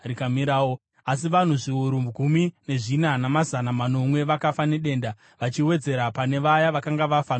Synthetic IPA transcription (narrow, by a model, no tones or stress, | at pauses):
rikamiɾaːwo | as̬iʋan̤uʐiuɾumɡʱumine̞ʐinanamazanamano̞mwe̞ʋakafane̞ɗe̞nda | ʋat͡ʃiwe̞d͡ze̞ɾapane̞ʋajaʋakaŋɡaʋafano